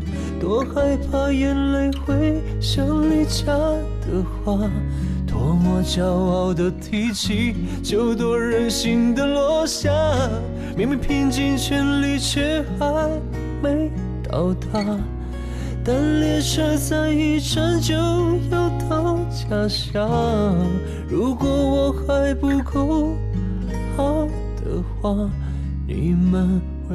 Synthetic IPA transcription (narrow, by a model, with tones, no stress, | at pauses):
t̪wɔ˧˥xa˧ɪpʰa˧jɛ˧nle˧˥ɪxwe˧ɪ | ɕjɤ˧˥ŋli˧˩t͡ɕja˧ | d̪̥ə˨˩xwa˥˧ | t̪wɔ˧˥mɔ˧t͡ɕjɑ˧ʊɑ˥˧ʊd̪ə˨t̪ʰi˧˥˩t͡ɕʰi˧˥ | t͡ɕjo˥˧ʊt̪wɔ˧˥ɻə˧˥nɕi˧ŋd̪ə˧lɔ˧˥ɕja˥˧ | mi˨˥ŋmi˧pʰi˥˧ŋt͡ɕi˥˧ŋt͡ɕʰɛ˥˧nli˧t͡ɕʰɥɛ˧˥xa˧ɪ | me˧˥ɪ | t̪ɑ˨˩ʊt̪ʰa˧ | t̪a˥˧nlɛ˥˧ʂə˥˧t͡sa˥˧ɪi˥˧ʈ͡ʂʰə˧˥nt͡ɕjo˧˥ʊjo˧˩ʊt̪ʰɑ˧ʊt͡ɕja˨˩ɕja˧ | ɻu˧˥kwɔ˧˥wɔ˨˧˦xa˧ɪpu˧kʰo˥˧ʊ | xɑ˨˧ | d̪̥ə̰˨xwa˥˧ | nḭ˨˩mə˧nxwe˧